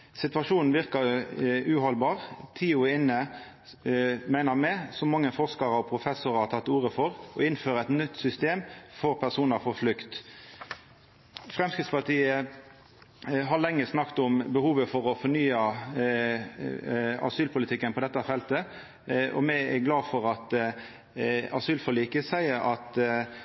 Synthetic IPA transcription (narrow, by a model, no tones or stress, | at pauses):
sɪt̪ʋɑʂuːnn̩ʋɪʁkɑʉːhɔlbɑːʁt̪ʰiːʊɪnːə | mæɪnəʁmɛsɔmɑŋːəfɔʁʂkɑɾɔpʰɾʊfɛsʊɾɑt̪ʰɑt̪ːuːɾəfɔʁʔɔɪnføːʁəɛt̪nʏt̪ːsʏst̪eːmfɔʁpʰæʁsuːnəɾfɔɾflʏkt̪ | fʁɛmskɪt̪spɑt̪iːə | ɦɑlɛŋːəsnɑkt̪ʊmbəhuːʋəfɔʁɔfɔnyːɑ | ɑ̰syːlpʰʊlɪt̪ʰɪkːənpʰɔd̪ɛt̪ːɑfɛlt̪ə | ɔ̰mɛæɡlɑːfɔɾɑt̪ | ɑ̰syːlfɔliːkəsæɪəɾɑt̪